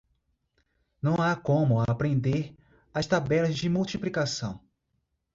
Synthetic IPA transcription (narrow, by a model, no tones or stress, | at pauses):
nɐ̃w̃akõmʊaːpɾẽnd̪eɾ | ast̪abɛlɐzd͡ʒɪmuwt͡ʃiplikasɐ̰̃w̃